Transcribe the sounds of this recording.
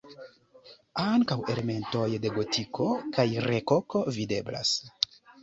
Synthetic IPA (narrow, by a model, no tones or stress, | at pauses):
aŋkawe̞leme̞nto̞jde̞ɡo̞tʰiko̞kajreko̞ko̞vide̞bla̰s